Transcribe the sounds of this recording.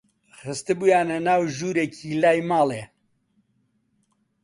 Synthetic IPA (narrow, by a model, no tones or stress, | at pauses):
χɨst̪ɨbujaːnɐnaːwʒuːɾeːkʰiːlaːjmaːle